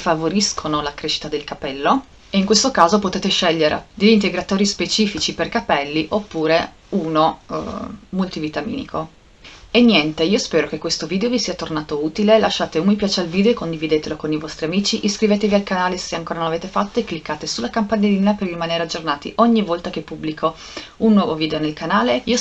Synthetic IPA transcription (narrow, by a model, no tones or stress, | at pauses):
favoɾiskʰonolakɾeːʃi̥t̪ad̪elkapɛlːo | eiŋkwest̪okaːzopot̪eːt̪eʃɛʎːeɾa̰d̪eʎːint̪eɡɾat̪oːɾispet͡ʃiːfit͡ʃiperkapɛlːiʔopːuːɾe | uːno̰ | mult̪ivit̪amḭːnḭkʰo | enːjɛnt̪eiːospɛːɾokekwest̪oviːd̪eovisiːat̪ornaːt̪ouːt̪ilelaʃːaːt̪eumipjaːt͡ʃealviːd̪eoekːond̪ivid̪eːt̪elokonivɔst̪ɾiamiːt͡ʃiʔiskɾiveːt̪evialkanaːleseaŋkoːɾanonlaveːt̪efat̪ːoekːlikːaːt̪esulakampaɲad̪iinaperlimaneːɾead͡ʒːornaːt̪ḭʔoɲːivɔlt̪ak̟epːubːlikʰo | unːwɔːvoviːd̪eonelkanaːleio